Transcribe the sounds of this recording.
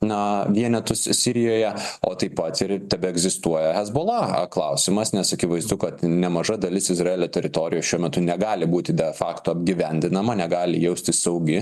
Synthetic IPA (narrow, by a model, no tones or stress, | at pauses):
nɐʋʲiɛnʲɛt̪ʊssʲɪɾʲɪjoːjɛoːt̪ɐɪpːɐt̪ɪɾt̪ʲɛbʲɛɛɡzʲɪst̪uɔjɛɦɛzboːlˠɐɐ̰klˠɐʊsʲɪmɐsnʲɛsɐkʲɪʋɐɪzd̪ʊkɐt̪nʲɛmɐʒɐd̪ɐlʲɪsɪzɾɑeːlʲoːt̪ʲɛɾʲɪt̪oːɾʲɪjoːsʃʲuɔmʲɛt̪ʊnʲɛɡɑːlʲɪbuːt̪ʲɪd̪ʲɛfɑːkt̪oɐbʲɡʲɪʋʲɛnʲd̪ʲɪnɐmɐnʲɛɡɑːlʲɪjɛʊsʲt̪ʲɪssɐʊɡʲɪ